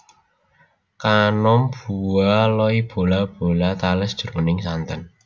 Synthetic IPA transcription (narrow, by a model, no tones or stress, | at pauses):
kanɔmb̥uwalɔib̥o̤lab̥o̤lat̪alɛsd̥ʒ̥ɾonɪŋsant̪ən